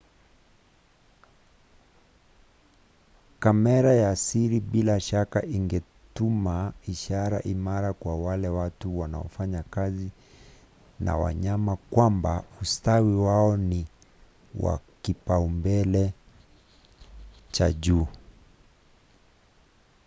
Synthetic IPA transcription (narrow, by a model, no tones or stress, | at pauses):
kamɛɾajasiɾiɓilaʃakaʔiŋɡɛ | tumaiʃaɾa̰ʔimaɾakwawalɛwatuwanaɔfaɲakazi | na̰wa̰ɲamakwambaustawiwaɔni | wa̰kipaumbɛlɛ | t͡ʃaʄuː